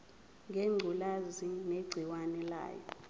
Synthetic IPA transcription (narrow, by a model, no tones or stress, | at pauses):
ŋʱeŋ͡ǃʱulazineɡ͡ǀʱiwanɛla̰ːjɔ̰